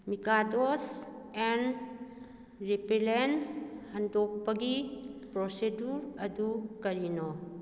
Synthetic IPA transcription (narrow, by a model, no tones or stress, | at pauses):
mikadosen | ɾipelenhɐndɔk̚pɐɡipɾɔseduɾɐdukɐɾinɔ